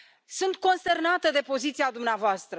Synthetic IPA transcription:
sunt̪̚ko̞nst̪e̞rnat̪əd̪e̞po̞zit̪siad̪umneavoast̪ɾə

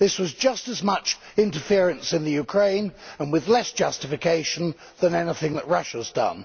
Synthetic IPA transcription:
ðɪswʌzd͡ʒʌstɨzmʌt͡ʃ | ɪ̃ntə˞fɪɹɨ̃nsɨ̃nðɨjʉkʰɹ̥ẽɪ̃nə̃nwɨðlɛsd̥ʒ̥ʌstɨfɨkʰeɪʃɨ̃n̩ | ðə̃nɛnɪθɪ̃ŋðəʔ̚ɹʌʃəzdʌ̰̃n

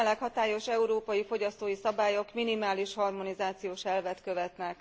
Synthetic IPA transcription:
lɛkhɒt̪aːjo̞ʃɛuɾoːpɒjifo̞ɟɒst̪oːjisɒbaːjo̞kminimaːliʃhɒrmo̞nizaːt̪sijoːʃɛlvɛt̪kø̞vɛt̪nɛk

